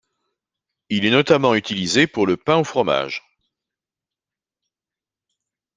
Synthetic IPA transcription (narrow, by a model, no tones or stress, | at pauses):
ilɛnɔt̪amɑ̃yt̪ilizepuʁləpɛ̃ofχɔma̰ʒ